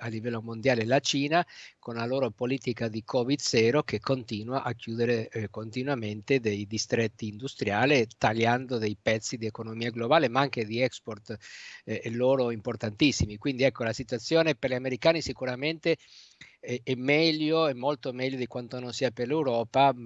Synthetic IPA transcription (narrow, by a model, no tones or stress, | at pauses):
alːivɛlːomond̪jaːlelat͡ʃiːnakonlaloːɾopoliːt̪ikad̪ikʰɔvid̪zɛːɾokekʰːont̪iːnwaʔakːjuːd̪eɾekont̪inwament̪ed̪ejd̪ist̪ɾet̪ːiːnd̪ust̪ɾjaːlet̪aʎːand̪od̪ejpɛt̪sːid̪iekonomiːaɡlobaːlemaaŋked̪iɛksport̪ː | lːoːɾoimport̪ant̪isːimikwind̪iɛkːolasit̪wat̪sːjoːneperʎiameɾikaːnisikuɾament̪e | ɛɛmːɛʎːoɛmːolt̪omɛʎːod̪ikwant̪ononsiːaperlewɾɔːpa